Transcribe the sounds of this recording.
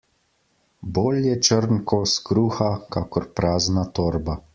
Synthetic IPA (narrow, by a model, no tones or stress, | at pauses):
boːljɛt͡ʃəɾnkɔskɾuːxakaːkɔɾpɾaːznat̪oːɾba